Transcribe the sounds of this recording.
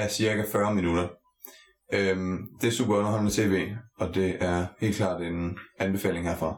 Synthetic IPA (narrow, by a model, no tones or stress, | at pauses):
æsiɐɡæfɶɐminuɾ̥ɐ | ømd̥e̝æɐsṵb̥ɐɡɒ̽nɐhɒnnət͡sʰe̝̰ːʋe̝̰ːɒ̽d̥e̝ʔæɐhe̝̰ːl̥kʰlɑ̰̈ːd̥enænb̥e̝fɛ̰ːle̝ŋɦeɐ̰fʁɑ̈